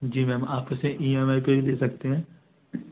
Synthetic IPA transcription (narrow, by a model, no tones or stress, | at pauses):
d͡ʒiːmɛ̃maːpkeseʔiːɛːmaːipeɾileːsɐk̚t̪eɦɛ̃ː